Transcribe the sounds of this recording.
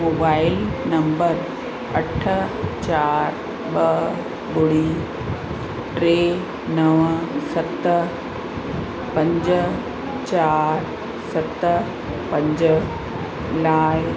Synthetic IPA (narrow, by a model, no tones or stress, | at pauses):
mobaːɪlnɐmbəɾ | ɐʈʰət͡ɕaːɾ | ɓɐ | bʊɽi | ʈɾeː | nɐʋsɐt̪ | pɐ̃ɲd͡ʑə | t͡ɕaːɾ | sɐt̪ | pɐ̃ɲd͡ʑə | laːj